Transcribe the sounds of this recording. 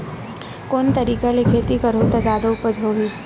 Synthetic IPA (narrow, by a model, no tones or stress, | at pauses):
koːnt̪ɐɾiːkalɪkʰeːt̪ikɐɾot̪ad͡ʒaːd̪aʊpəd͡ʒɦoːɡiː